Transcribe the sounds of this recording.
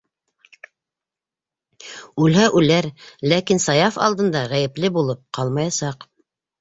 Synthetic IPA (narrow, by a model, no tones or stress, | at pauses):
ʉlɦæʔʉlæɾlækinsɑjɑfɑ̰lˠd̪ɤ̆nd̪ɑʁæjɘ̆plɘbulˠɤp̚qɑlˠmɑjɑsɑq